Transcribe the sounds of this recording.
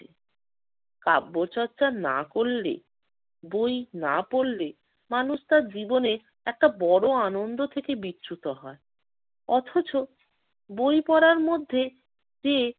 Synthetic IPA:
e | kabːoɾt͡ɕɔɾːt͡ɕana̰koɭːḛ | bojnapoɭle | manuʃt̪aɾd͡ʑibone | ɛk̚ʈabɔɽoanond̪ot̪ʰekebitːɕut̪oɦɔe | ɔt̪ʰot͡ɕo | bojpɔɾaɾmod̪ʱːe | d͡ʑe

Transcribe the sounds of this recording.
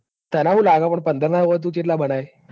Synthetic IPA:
t̪janaɦuːlaɡapəɳpənd̪ʱəɾnaɾəɣət̪̬ut͡ɕit̪labʱəɽ̃aj

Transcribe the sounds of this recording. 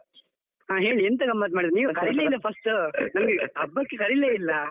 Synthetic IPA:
aːɦe̞ːɭient̪ɐkɐmːaːt̪maːɽiɾiniːʋuɐskɐɾileːilːɐpʰɐsʈunɐmɡeɐbːɐkːekɐɾileːilːɐ

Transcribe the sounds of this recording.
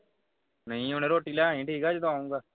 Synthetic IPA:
nəɦĩoːneːɾoːʈiːlaːɦĩːʈiːkaːd͡ʒɪt̪õaːũːŋɡaː

